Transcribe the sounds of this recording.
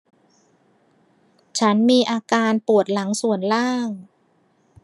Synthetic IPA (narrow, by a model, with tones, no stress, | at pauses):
t͡ɕʰa˦˥nmiː˧ʔaː˧kaː˧npu˨˩ət̪̚la˩˦ŋsu˨˩ənlaː˥˩ŋ